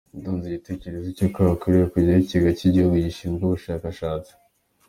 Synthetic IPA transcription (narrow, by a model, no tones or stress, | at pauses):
ndoːnziɟite̞ce̞ɾezicokaβakuɾijokuɟiiceɡaciɟihuɡujiʃiːmɡoβuʃaːkaʃaːt͡si̥